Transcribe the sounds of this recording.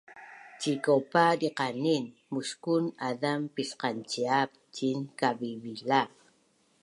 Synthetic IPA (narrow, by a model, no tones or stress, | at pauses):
t͡ʃikawpaɾiqanin | mʊʃkʊnaðampisqant͡ʃiap̚ | t͡ʃinkaβiβila